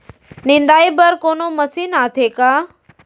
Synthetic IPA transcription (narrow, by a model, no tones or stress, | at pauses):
nĩnd̪aːibəɾkoːnomɐsiːnaːt̪ʰeːkaː